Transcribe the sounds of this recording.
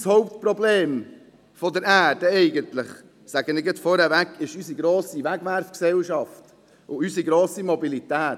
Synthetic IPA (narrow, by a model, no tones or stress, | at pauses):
shoʊp̚t̪pɾɔbleːm | fɔd̪əɾæːɾd̥əɛɪɡənt̪lɪχ | sæɡənɪɡɛtfɔɾɛʋækʰːɪʃysiɡɾoːsiʋæɡʋæɾfksɛlʃɑft | ʔʊysiɡɾoːsimɔbilitæːt